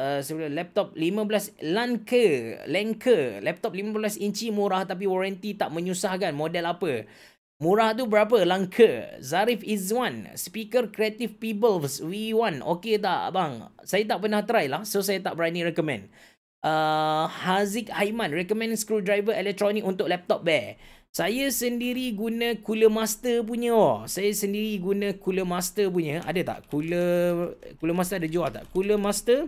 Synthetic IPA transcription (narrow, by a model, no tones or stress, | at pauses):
əsəbulalɛp̚t̪ɔp̚limãblaslankəlɛŋkʰəlɛp̚t̪ɔp̚limãbblasint͡ʃimũɾaht̪ap̬iwɔɾant̪it̪aʔmə̃ɲusahkanmodɛlapə | mũɾaht̪̬ubəɾap̬əlaŋkʰəzaɾifizwanspikərkɾiat̪ifpibəlfswiwãnoket̪a̰ʔbaŋsajat̪̬aʔpərnaht̪əɾajlahsosajat̪aʔbəɾaniɾɛkɔmɛ̰̃nd | ʔəhazik̚hajmãnrɛkɔmɛ̃nskɾudɾajvəɛlɛk̚t̪ɾonikunt̪ʊklɛp̚t̪ɔp̚bɛ | sajasəndiɾiɡunə̃kuləmast̪əp̬uɲə̃ɔsajasəndiɾiɡunə̃kuləmast̪əp̬uɲə̃a̰dət̪a̰ʔkulə | kuləmas̬t̪əadəd͡ʒualt̪a̰ʔkuləmast̪ə